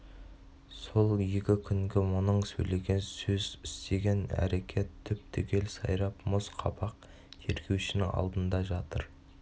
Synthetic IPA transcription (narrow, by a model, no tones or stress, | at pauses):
so̞lˠje̞kʲɪkʲʰʏŋɡʲɪwonəɴsɵ̰jle̞ɡʲe̞nsɵzɪst̪e̞ɡʲe̞næ̰ɾe̞kʲʰe̞t̪ʰːʏp̚t̪ʰʏkʲe̞lsɑ̰jɾɑpmʊsqʰɑbɑq̚ | t̪ʰeɾkʲʰe̞wʃɪnɪŋɑ̰lˠd̪ənd̪ɑʒɑt̪əɾ